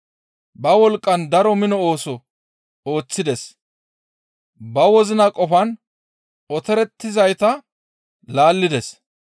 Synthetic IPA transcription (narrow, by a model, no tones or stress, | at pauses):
bɐwɔlkʼːɐnd̪ɐɾɔmɪnɔo̞ːsɔ | oːt͡sːɪd̪ɛs | bɐwɔzɪnɐkʼɔfɐn | ɔt̪ɛɾɛt̪ːɪzɐjt̪ɐ | laːlːɪd̪ɛs